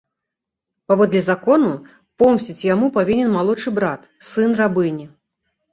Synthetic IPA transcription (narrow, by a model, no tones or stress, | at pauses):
pavɔd̪lʲɛzakɔnu | pɔmsʲt͡sʲit͡sʲjamupavʲinʲɛnmalˠɔt͡ʂɨbɾat̪ | sɨnrabɨnʲɛ